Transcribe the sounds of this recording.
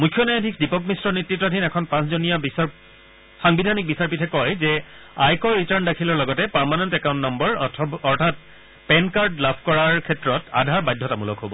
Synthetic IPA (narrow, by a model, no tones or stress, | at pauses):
mukʰːjɔnajadʱikdipɔkmistɹɔnetɹitːɔdʱinɛkʰɔnpãszonijabisa | xaŋbidʱanik̚bisaɹpitʰɛkɔjzɛ | ajkɔjɹitaɹndakʰilɔɹlɔɡɔtɛpaɹmanɔntɛkaw̃ntnɔmbɔɹʰɔɹtʰat̚ | pɛnkaɹdlabʰkɔɹaɹkʰɛtːɹɔta̰dʱaɹbajdʱːɔtamulɔ̰kɦobɔ̰